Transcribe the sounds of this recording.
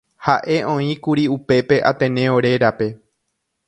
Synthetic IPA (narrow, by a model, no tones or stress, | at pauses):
haʔe̞õ̞ĩkuɾiupe̞pe̞ʔat̪ẽnẽoɾe̞ɾape̞